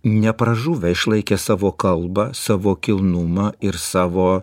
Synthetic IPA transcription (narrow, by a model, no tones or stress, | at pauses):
nʲɛpɾɐʒuːʋʲɛɪʃlˠɐɪkʲɛːsɑːʋoːkɐlˠbɐsɑːʋoːkʲɪlˠnʊmɑɪɾsɑːʋoː